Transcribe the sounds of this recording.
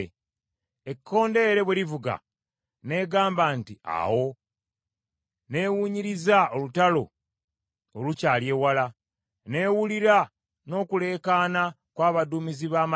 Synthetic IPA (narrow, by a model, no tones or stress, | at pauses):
ekʰːo̞ːnde̞ːɾe̞βweɾivuɡa̰ | ne̞ːɡaːmbantia̰wo̞ | ne̞ːwuːɲiɾizaolutalo̞ː | lucaːlje̞ːwala | ne̞ːwuliɾa | no̞ːkule̞ːkaːna | kwaːβaduːmiziβaːma